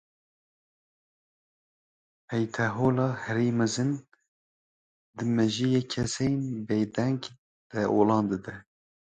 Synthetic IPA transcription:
pʰɛjt̪ʰɛɦoːlɑːhɛɾiːmɛzɨn | d̪ɨmɛʒijeːkʰɛsejnbejd̪ɛŋɡ | d̪̥ɛʔoːlɑːnd̪ɨd̪ɛ

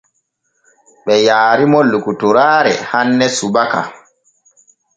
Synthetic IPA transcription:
ɓɛjaːɾimɔlːukutuɾaːɾɛ̰hanːɛsubaka̰

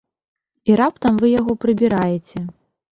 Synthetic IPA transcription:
iɾap̚t̪ɐmvɨjaɣɔpɾɨbʲiɾajet͡sʲɛ

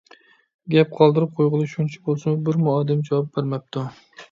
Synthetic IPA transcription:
ɡʲɛp̚qʰɒlˠd̪ɨɾɪp̚qʰojʁɨlˠɨʃunt͡ʃʰḁbolˠsambɪɾmʊɑd̪ɪmd͡ʒawɑp̚beɾmap̚t̪ʰʊ

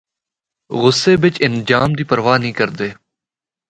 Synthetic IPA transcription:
ɣʊsːeːbɪt͡ʃɪnd͡ʒaːmd̪iːpəɾʋaːnĩːkəɾd̪eː

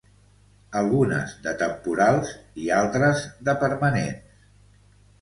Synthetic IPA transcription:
əlˠɣunə̰zðət̪əmpuɾalˠzialˠt̪ɾəzðəpəɾmənḛns

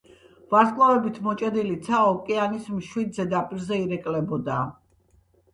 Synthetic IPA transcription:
vaɾskʼlˠavɛbit̪ʰmɔt͡ʃʼɛd̪ilit̪sʰaɔkʼɛanismʃwid̪zɛd̪apʼiɾzɛiɾɛkʼlɛbɔd̪a

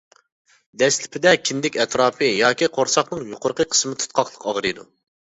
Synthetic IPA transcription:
d̪ɛslɪpʰɪd̪ɛkʲʰind̪ɪkʲɛt̪ɾɑːpʰɨjɑːkʲiqʰoɾsɑχnɨŋjoqʊɾqəqʰə̥smɪt̪ʰu̥t̪̚qʰɑχlˠəqɑʁɾɨd̪ṵ

